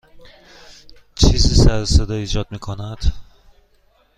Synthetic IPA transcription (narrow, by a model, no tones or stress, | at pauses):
t͡ʃʰiːziːsæɾsed̪ɒiːd͡ʒɒd̪̚miːkʰonæd̪̥